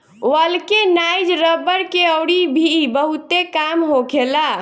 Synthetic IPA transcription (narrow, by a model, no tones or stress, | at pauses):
wəlkenajd͡ʒɾəbəɾkeəwɽibʱibəɦut̪ekamɦokela